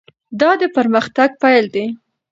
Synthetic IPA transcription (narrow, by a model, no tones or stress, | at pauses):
d̪ɑd̪əpəɾməxt̪aɡ̚pajld̪e